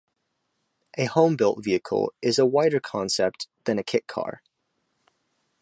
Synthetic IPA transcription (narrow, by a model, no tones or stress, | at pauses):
ʔɨhõʊ̃mbɪlˠtv̥iɨkʰə̰l̩ˠɪzəwaɪɾə˞kʰɑ̃nsɛp̚ðɨ̃nɨkʰɪʔ̚kʰɑ̰ɹ